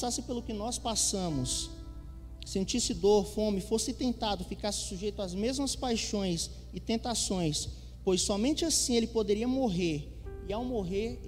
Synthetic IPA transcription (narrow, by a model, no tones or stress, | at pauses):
sasɪpelʊkɪnɔspasɐ̃mʊs | ẽnt͡ʃisɪd̪oɾfõmɪfosɪt̪ẽnt̪ad̪ʊfikasɪ̥suʒejt̪ʊazmezmɐspajʃõj̃s | ɪt̪ẽnt̪asõj̃s | pojsːɔmẽt͡ʃɪasĩelɪpod̪eɾiɐmoɦeɾ | ɪawmoɦeɾ